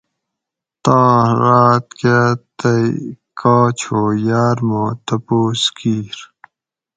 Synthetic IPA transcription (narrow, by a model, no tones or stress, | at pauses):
t̪aːɾaːt̪kat̪əjkʰaːt͡ɕʰoːjaːɾmot̪ɐpoːskiːɾ